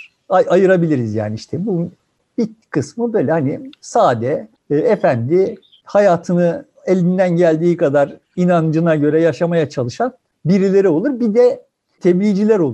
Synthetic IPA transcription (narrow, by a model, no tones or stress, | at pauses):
aajɯɾabilʲiɾizja̰ːniiʃt̪ʰɛbu | bikʰɯsmɯbø̞ːjlʲɛhanisaːd̪ɛː | efænd̪ɪ | hajaːt̪ʰɯnɯ | elʲind̪ænɟælʲd̪iːkad̪aɾ | inand͡ʒɯnaɟø̞ɾɛjaʃamajat͡ʃʰalˠɯʃan | biɾilʲe̞ɾio̞lˠuɾbid̪ɛ | t̪ʰeblʲiːd͡ʒilʲæɾo̞lˠ